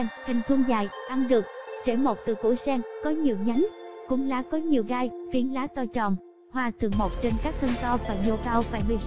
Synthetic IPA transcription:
ŋt͡ɕï˨˩ŋ̟t̪ʰu˧əŋzaː˨˩jʔa˧mɗɨ˨˩ək̚t͡ɕe˧˩mo˨˩t̚t̪ɨ˨˩kṵ˧˩jsɛː˧ŋkɔ˨˦ɲi˨˩əwɲa˨˦jŋkʊ̰˧˥ŋ͡mlaː˨˦kɔ˨˦ɲi˨˩əwɣaː˧jvi˨˦ənlaː˨˦t̪ɔ˧t͡ɕɔ˨˩m | hwaː˧t̪ʰɨ˨˩əŋmo˨˩t̚t͡ɕe˧nkaː˦˥k̚t̪ʰə˧ŋt̪ɔ˧vaː˨˩ɲo˧kaː˧wvaː˨˩jɓi˨˧˩

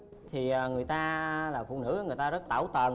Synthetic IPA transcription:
t̪ʰi˨˩ʔəː˨˩ŋɨ˨˩əjt̪aː˧laː˨˩fṵ˧˨nɨ̰˧˥˧ŋɨ˨˩əjt̪aː˧zə˦˥t̚t̪aː˧˩wt̪ə˨˩n

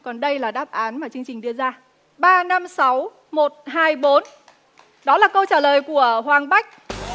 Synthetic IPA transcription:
kɔ˨˩nɗə˧jlaː˨˩ɗaː˦˥p̚ʔaː˨˦nmaː˨˩t͡ɕɨ˧əŋt͡ɕï˨˩ŋ̟ɗɨ˧əzaː˧ | ɓaː˧na˧msa˨˦w | mo˨˩t̚ɦaː˧jɓo˨˦n | ɗɔ˨˦laː˨˩kə˧wt͡ɕaː˧˩ləː˨˩jku˧˩əhwaː˨˩ŋɓa˦˥jk̟̚

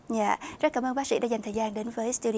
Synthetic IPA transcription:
ɲaː˧˨zə˦˥t̚kaː˨˦məː˧mɓa˦˥k̚sḭ˧˥ɗa̰ː˧˥zŋ̟t̪ʰəː˨˩jaː˧nɗe˨˦nvəː˨˦jst̪u˧ɗi˧˨

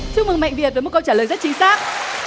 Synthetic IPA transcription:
sɨ˧ŋmɨ˨˩ŋma̰˧˨jŋ̟vi˨˩ət̚vəː˨˦mo˨˩kə˧wt͡ɕaː˧˩ləː˨˩jzt̚t͡ɕi˨˧˦ŋ̟saː˦˥k̚

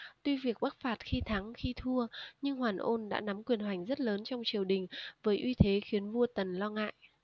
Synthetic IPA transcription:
t̪wi˧vi˨˩ək̚ɓa˦˥k̚faː˨˩t̚xi˧t̪ʰa˨˦ŋxi˧t̪ʰu˧əɲɨ˧ŋhwaː˨˩nʔo˧nɗa̰ː˧˥na˨˦mkwi˨˩ənɦwa˨˩jŋ̟zə˦˥t̚ləː˨˦nt͡ɕɔ˧wŋ͡mt͡ɕi˨˩əwɗï˨˩ŋ̟vəː˨˦jʔwi˧t̪ʰe˨˦xi˨˦ənvu˧ət̪ə˨˩nlɔ˧ŋa̰ː˧˨jʔ

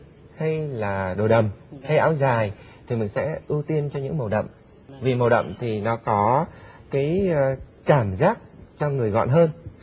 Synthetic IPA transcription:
ha˧jlaː˨˩ɗo˨˩ɗə˨˩mha˧jʔa̰ː˨˦wzaː˨˩j | t̪ʰi˨˩mï˨˩ŋsɛ̰˧˥ʔɨ˧t̪i˧ənt͡ɕɔ˧ɲɨ̰˧˥ŋmə˨˩wɗə̰˧˨wmʔ | vi˨˩mə˨˩wɗə̰˧˨wŋ͡mmt̪ʰi˨˩nɔ˨˦kɔ˨˦kaː˨˦j | kaː˧˩mzaː˦˥k̚t͡ɕɔ˧ŋɨ˨˩əjɣɔ̰˧˨nɦəː˧n

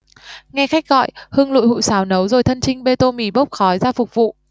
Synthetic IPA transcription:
ŋa˧xa˦˥k̚ɣɔ̰˧˨jhɨ˧əŋlṵ˧˨jhṵ˧˨jsaː˨˦wnə˨˦wzo˨˩jt̪ʰə˧nt͡ɕï˧ŋ̟ɓe˧t̪o˧mi˨˩ɓə˦˥k͡p̚xɔ˨˦jzaː˧fʊ˨˩k͡p̚vṵ˧˨

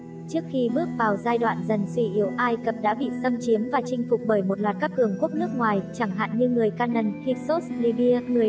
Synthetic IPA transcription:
t͡ɕɨ˦˥ək̚xi˧ɓɨ˦˥ək̚vaː˨˩wzaː˧jɗwa̰ː˧˨nzə˨˩nswi˧˩ʔi˨˦əwʔaː˧jkə˨˩p̚ɗa̰ː˧˥ɓḭ˧˨sə˧mt͡ɕi˨˦əmvaː˨˩t͡ɕï˧ŋ̟fʊ˨˩k͡p̚ɓəː˧˩jmo˨˩t̚lwaː˨˩t̚kaː˦˥kːɨ˨˩əŋku˦˥əp̚nɨ˦˥ək̚ŋwaː˨˩jt͡ɕa˧˩ŋɦa̰ː˧˨nɲɨ˧ŋɨ˨˩əjkaː˧nə˧˩nhi˧˥k̚so˦˥sli˧ɓi˧əŋɨ˨˩əj

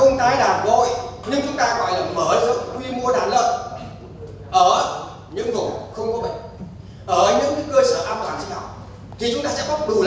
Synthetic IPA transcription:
ə˧wŋ͡mt̪aː˨˦jlaː˨˩vo˧˩jɲɨ˧ŋt͡ɕʊ˨˦ŋ͡mt̪aː˧ɣɔ̰˧˨jlaː˨˩məː˧˩zɨ̰˧˨əŋwi˧mu˧əɗaː˨˩˦nlə̰ː˧˨p | ʔəː˧˩ | ɲɨ̰˧˥ŋzo˨˩xə˧wŋ͡mkɔ˨˦ɓə̰˧˨ŋ | ʔəː˧˩ɲɨ̰˧˥ŋ˦kəː˧səː˧˦ʔaː˧ma˨˩haː˨˩nt͡ɕi˧naː˨˩w | t̪ʰi˨˩t͡ɕʊ˨˦ŋ͡mt̪aː˧sɛ̰˧˥kɔ˨˦ɗu˨˩l

